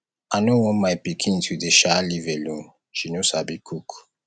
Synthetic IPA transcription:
anowɔ̃nmajpikʰĩntʰuðəʃalivɛlũn | ʃinosabikʰuk

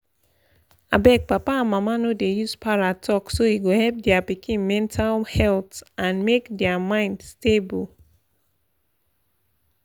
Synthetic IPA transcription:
a̰bɛk̚papãnmamanodejuspʰaɹatʰɔksoiɡohɛlp̚dɛapikʰĩnmɛ̃ntʰalhɛltʔãnmekdɛamãɪ̃ndstebul

